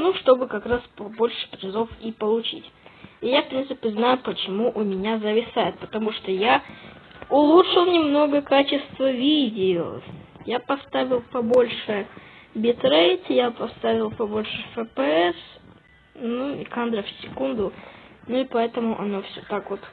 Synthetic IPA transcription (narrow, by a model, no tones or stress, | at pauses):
nuʂt̪o̞bɨkɐkɾaspɐbo̞lʲʂɨ̥pɾʲɪzofipəlˠʊt͡ɕḭtʲijafpɾʲint̪sɨpʲɪznajʊpət͡ɕɪmuʔʊmʲɪnʲazəvʲɪsajɪt̪̚pə̥t̪ɐmuʂt̪oja | ʊlˠutʂɨlˠnʲɪmno̞ɡəkat͡ɕɪst̪vəvʲidʲɪo̰ | japɐst̪avʲɪlˠpɐbo̞lʲʂɨ | bʲɪt̪ɾejt̪ʲjapɐst̪avʲɪlˠpɐbolʲʂɨfəpəɛs | nuḭkand̪ɾəfsʲɪkund̪ʊnʊɪpɐɛt̪əmʊʔɐ̰nofsʲot̪akvot̪